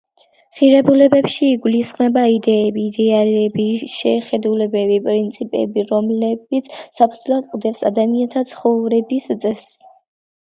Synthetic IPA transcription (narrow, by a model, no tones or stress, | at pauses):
χiɾɛbulɛbɛpʃiːɡulisχmɛbaid̪ɛːbiːd̪ɛaɾɛbiʃɛχɛd̪ulɛbɛbipʼɾint̪sʰipʼɛ̰biɾɔmlɛbit̪sʰsapʰud̪zlˠad̪qʼd̪ɛpsa̰d̪amiant̪ʰat̪sʰχɔvɾɛbist̪sʼɛs